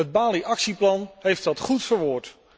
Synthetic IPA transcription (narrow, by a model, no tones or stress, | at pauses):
əd̚baːliʔɑksiplɑnɦejftɑtχutfəɹʋʊːɹt